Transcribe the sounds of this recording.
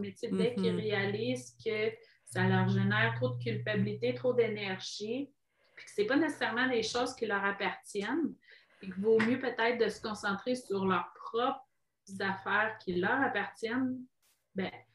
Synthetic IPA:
met̪epd̪ɛkʲiʁealiːzkʰə | salœːʁʒenɛːʁt̪ʁod̪əkʲylpabilit̪et̪χod̪enɛʁʒi | pi̥kə̥sɛpanɛse̥sɛʁmɑ̃leʃoːz̥kʲilœʁapaʁt̪jɛn | pik̬ʲivomjøpøt̪ɛɪt̪χd̪əsə̥kɔ̃sɑ̃t̪χesyʁlœʁpχɔpχ | zafɛːʁkʲʰilœːʁapaʁt̪jɛn | bɛ̃

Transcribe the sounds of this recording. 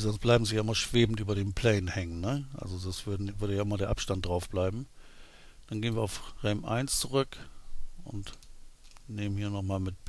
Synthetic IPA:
zɔnsb̥laɪbm̩zijaʔɪmaːlʃv̥eːbn̩tyːbɐdeːnpʰl̥ɛːnnhɛŋənːəʔa̰lzodasv̥ɐdvʏɐɾəjaːʔɪmaɐdeːɐʔapʃtant̚d̥ʁaʊfb̥laɪbm̩ | d̥anɡeːənviːɐaʊfʁɛmʔa̰ɪnst͡suʁʏkʔʊ̰nt | neːmənhiːɐnɔχmaːlmɪt̚

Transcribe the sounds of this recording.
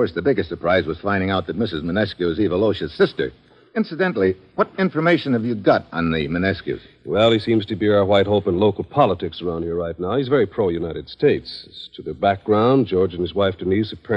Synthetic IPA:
ɔɹsðɨbɪɡɨstsə˞pʰɹ̥aɪzwʌz̥fãɪ̃ndɪ̃ŋaʊt̪̚ðɨt̚mɪsɨzmɨnɛskuɨzivəloʊʃɨsɪstə̰˞ | ɪ̃nsɨdɛ̃nˡl̩ˠi | wʌɾɪ̃ɱfə˞meɪʃɨ̃nɨvjɨɡɑɾn̩ðɨmɨnɛskʉ̰z̥ | wɛlˠisĩmz̥tʰɨbiɹaʊə˞waɪt̚ɦoʊpə̃nloʊkl̩ˠpʰɑlˠətʰɨksə˞ãʊ̃nd̚iɹɹaɪtⁿnaʊhizvɛɹipʰɹ̥oʊjʉnaɪɾɨd̥steɪtstʰɨðɨbæk̚ɡ̥ɹãʊ̃nd͡ʒɔɹd͡ʒɨ̃nɨzwaɪfd̥ɨnʉzɨ̥pʰɜ

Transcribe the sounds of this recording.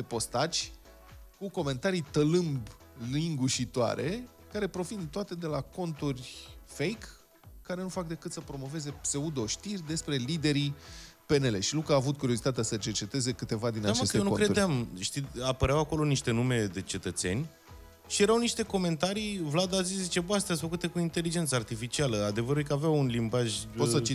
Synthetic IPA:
epo̞st̪at͡ʃʲ | kuko̞me̞nt̪aɾit̪əlɨmb | liŋɡuʃit̪oa̰ɾʔe̞ | kaɾe̞pɾo̞vint̪oat̪e̞d̪e̞lako̞nt̪urʲfe̞jkː | aɾe̞nufak̚d̪e̞kɨt̪səpɾo̞mo̞ve̞ze̞pse̞ud̪o̞ʃt̪irʲd̪e̞spɾe̞lid̪e̞ɾi | pe̞ne̞le̞ʃilukaːvut̪̚kuɾio̞zit̪at̪easət͡ʃe̞rt͡ʃe̞t̪e̞ze̞kɨt̪e̞vad̪inat͡ʃe̞senuokɾeuɾd̪eamʃt̪iapəɾeawako̞lo̞niʃt̪e̞nume̞d̪e̞t͡ʃe̞t̪ət̪se̞̰nʲ | ʃije̞ɾawniʃt̪e̞ko̞me̞nt̪aɾivlad̪aziszit͡ʃe̞bəast̪ɾasʲfəkut̪e̞kuint̪e̞lid͡ʒe̞nt̪səart̪ifit͡ʃialəad̪e̞vəɾuljkəaveawunlimbaʒposət͡ʃi

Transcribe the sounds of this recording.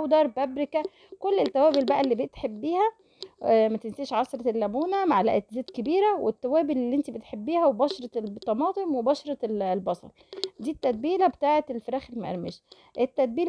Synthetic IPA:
wd̪ɑɾˤbæbɾekæ | kolːet̪ːæwæːbelbæʔælːiːbet̪ħebːiːhæ | mæt̪enseʃʕɑsɾˤɑlːæbuːnæmaʕalæ̰ʔæt̪zeːt̪kebiːɾæwet̪ːæwæːbellːiːʔent̪ibet̪ħebːiːhæwebɑʃɑɾˤɑt̪ˤːɑmɑːt̪ˤemwebɑʃɑɾˤɑlbɑsˤɑ̰lˤd̪iːt̪ːæd̪̚biːlæbet̪aːʕeelfeɾæːxelimæʔḛɾmeʃ | ʔet̪ːæd̪̚biːl

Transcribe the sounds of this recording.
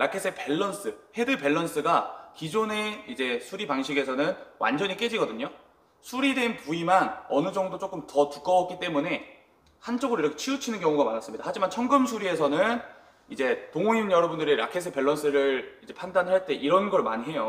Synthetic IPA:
ɾakʰes͈ʰepe̞ɭːʌns͈ɯhe̞dɯpe̞ɭːʌns͈ɯɡakid͡ʑone̞id͡ʑe̞sʰuɾipaŋɕʰiɡe̞sʰʌnɯnwʔa̰nd͡ʑʌɲik͈e̞d͡ʑiɡʌdɯɲo | sʰuɾidwe̞npuimanʌnɯd͡ʑʌŋdot͡ɕ͈ok͈ɯmtʌtuk͈ʌʌk͈it͈e̞mune̞ | hant͡ɕ͈oɡɯɾoiɾʌkʰet͡ɕʰiut͡ɕʰinɯnkjʌŋuɡamaɾas͈ɯmɲid̥ahad͡ʑimant͡ɕʰʌŋɡɯmsʰuɾie̞sʰʌnɯn | id͡ʑe̞toŋoɲinjʌɾʌbundɯɾiɾa̰kʰe̞sʰepe̞ɭːʌns͈ɯɾɯɭid͡ʑe̞pʰandanɦaɭt͈e̞ʔiɾʌnɡʌɭma̰ɲiɦe̞jo

